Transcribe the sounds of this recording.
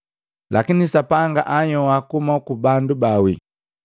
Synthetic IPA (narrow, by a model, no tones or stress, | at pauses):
lʔa̰kinisapaŋɡa̰ʔaɲɔwakumakubandubawḭ